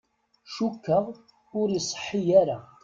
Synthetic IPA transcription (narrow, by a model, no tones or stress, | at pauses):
ʃukːəʁˤ | ʊɾisˤə̥ħːijaɾa